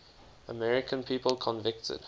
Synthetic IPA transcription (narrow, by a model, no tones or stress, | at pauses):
əmɛɹɪkʰə̃npʰiːpəlˠkʰɔ̃nvɪk̚tʰə̰d̥